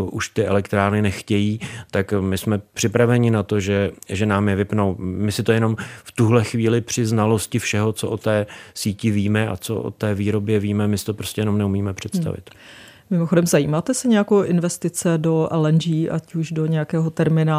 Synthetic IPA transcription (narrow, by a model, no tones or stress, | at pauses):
ʔuʃt̪ɪʔɛlɛkt̪ɾaːɾnɪnɛxcɛjiːt̪akmɪsmɛpr̝̥ɪpɾavɛɲɪnat̪o̞ʒɛʒɛnaːmjɛvɪpnowmɪsɪt̪ojɛno̞mft̪uɦlɛxviːlɪpr̝̥ɪznalo̞scɪfʃɛɦo̞t͡soʔot̪ɛːsiːcɪviːmɛʔa̰t͡so̰ʔo̰t̪ɛːviːɾo̞bjɛviːmɛmɪsɪ̥t̪opɾoscɛjɛno̞mnɛumiːmɛpr̝̥ɛt̪st̪a̰vɪ̰t̪ | mɪmoxodɛmzajiːmaːt̪ɛsɛɲɛjakowʔɪnvɛst̪ɪt͡sɛdo̞ʔɛlɛnʒiːʔacuʒdo̞ɲɛjakɛːɦo̞t̪ɛɾmɪna